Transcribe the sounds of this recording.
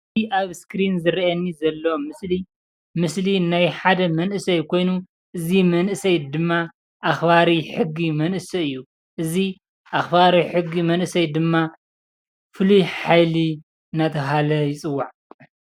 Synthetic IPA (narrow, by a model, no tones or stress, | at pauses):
aβskɾinzɨɾiʔɐnːizɐlːomɨsli | mɨslinajħad̪ɐmɐnʔɨsɐjkʰo̞jnu | ʔɨzimɐnʔɨsɐjd̪ɨmːa | ʔaxbaɾiħɨɡːimɐnʔɨsɐɨjːu | ʔɨzi | ʔaxbaɾiħɨɡːimɐnʔɨsɐjd̪ɨmːa | fɨlujħajli | ɨnat̪ʰɐɦalɐjɪt͡sʼɨwːaʕ